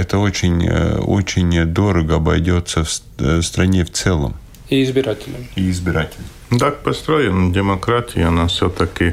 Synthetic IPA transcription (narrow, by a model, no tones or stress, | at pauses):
ɛt̪əot͡ɕɪnʲo̰t͡ɕɪnʲd̪o̞ɾəɡəɐbɐ̰jdʲo̞t̪səf | st̪ɾɐnʲeft̪sɛlˠə̰m | ɪɪzbʲɪɾatʲɪlʲəmiɪzbʲɪɾatʲɪlʲ | d̪ak̚pɐst̪ɾojɪndʲɪmɐkɾatʲɪjɐnafsʲot̪ɐkʲɪ